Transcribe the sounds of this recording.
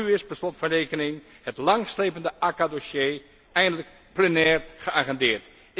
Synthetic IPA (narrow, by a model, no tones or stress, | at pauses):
yɪsbəslɔtfɑnrejkənɪŋ | hətlɑŋslejpəndəʔakadoʃjeː | ɛjndələk | plənɛːrχəaχɛndɪːɹt